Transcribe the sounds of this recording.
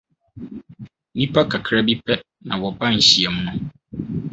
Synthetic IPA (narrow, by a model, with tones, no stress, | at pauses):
nĩ˦pʰa˦kʰa˨kʰɾa˦bi˦pʰɛ˦ | nã̰˨wɔ˨bã˦n̩˨ɕi˨ɛ˨m̩˦nũ˦